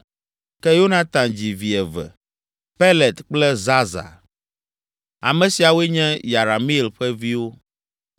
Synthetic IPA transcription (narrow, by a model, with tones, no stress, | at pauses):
kɛ˦jo˦nã˦t̪ã˨nd͡ʑi˨vi˨ɛ˨vɛ̰˨ | pe˦lɛ˨t̪k͡plɛ˦za˦za̰˨ | a̰˨mɛ̃˨si˨a˨we˦ɲɛ̃˦ja˨ɾa˨mi˦˨lɸɛ˦vi˦wo˦